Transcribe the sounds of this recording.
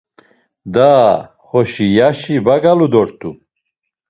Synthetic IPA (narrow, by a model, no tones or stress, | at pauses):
d̪aː | χɔʃijaʃibaɡalud̪ɔɾt̪ʰʼu